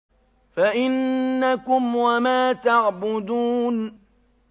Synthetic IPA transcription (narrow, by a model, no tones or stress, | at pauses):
faʔɪnːakʊmwamaːt̪aʕbʊd̪uːn